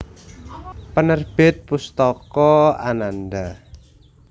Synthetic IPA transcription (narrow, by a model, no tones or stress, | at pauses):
pənərb̥ɪt̪̚pust̪ɔkɔananda